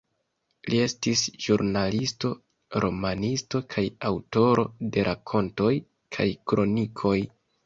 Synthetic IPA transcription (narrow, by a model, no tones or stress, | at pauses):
lie̞stisʒuɾnalisto̞ | ɾʔo̞manisto̞kʰajawto̞ɾo̞de̞ɾʔakʰo̞nto̞j | kʰajkɾo̞nikʰo̞j